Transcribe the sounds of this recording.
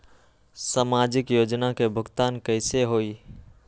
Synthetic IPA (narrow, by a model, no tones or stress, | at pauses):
samaːd͡ʒɪkjoːd͡ʒnakebʱʊɡt̪aːnkəɪseɦoːiː